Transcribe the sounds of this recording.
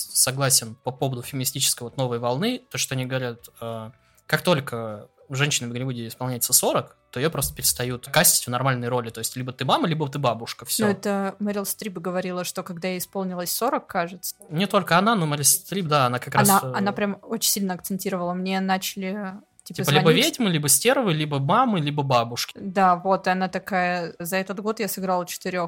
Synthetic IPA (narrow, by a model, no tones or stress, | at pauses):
sɐɡlˠasʲɪnpɐpo̞vəd̪ʊfʲɪmʲɪnʲɪsʲtʲit͡ɕɪ̥skəjvo̞t̪no̞vəjvɐlˠnɨt̪oʂt̪o̞ɐnʲiɡəvɐɾʲat̪a | kakt̪o̞lʲkə | ʐɛnʲɕɪnɪvʲɡɾʲɪvudʲɪɪspɐlˠnʲæjɪt̪səso̞ɾəkt̪o̞ɪjopɾost̪əpʲɪɾʲɪst̪ɐjut̪kasʲtʲɪ̥tʲvnɐrmalʲnəjɾo̞lʲɪt̪o̞ɪsʲtʲlʲibət̪ɨmaməlʲibət̪ɨbabʊʂkəfsʲnoɛt̪əməɾʲɪlˠsʲt̪ɾʲipɡəvɐɾʲilˠəʂt̪o̞kɐɡd̪ajaɪspo̞lˠnʲɪlˠəsʲso̞ɾəkːaʐɨt̪sə̥nʲɪt̪o̞lʲkəɐnano̞məɾʲɪlˠst̪ɾʲip̚d̪aɐnakɐkɾansaɐnapɾʲamot͡ɕɪnʲsʲilʲnəɐkt̪sɨnʲtʲiɾəvəlˠəmnʲe̞nat͡ɕɪlʲɪ | tʲi̥p̪tiəpəlʲibəvʲedʲmɨlʲibəsʲtʲervɨjlʲibəmamɨlʲibəbabʊʂkʲɪ̥d̪avo̞t̪ɨɐnat̪ɐkajəzɐɛt̪ət̪ɡo̞t̪jasɨɡɾalˠət͡ɕɪ̥t̪ɨɾʲo̞x